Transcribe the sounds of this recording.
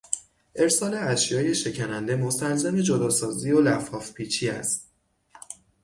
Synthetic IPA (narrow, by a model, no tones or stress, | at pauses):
ʔe̞ɾsɒːle̞æʃjɒːje̞ʃe̞cʰænænd̪e̞mo̞st̪ælzæme̞d͡ʒod̪ɒːsɒːziːolæfɒːfpʰiːt͡ʃʰiːæ̰st̪̚